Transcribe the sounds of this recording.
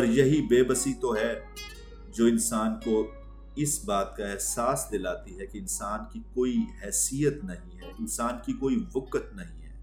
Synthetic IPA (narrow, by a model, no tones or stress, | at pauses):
ɔɾjɐɦibeːbəsit̪oɦɛ | d͡ʒoːɪ̃nsaːnko | ɪsbaːt̪kaɛɦsaːsd̪eːlaːt̪iɦɛkeɪnsaːnkikoːiɦɛːsijət̪nɐɦĩɦɛːɪnsaːnkikoːiʋʊkət̪̚nɐɦĩɦɛː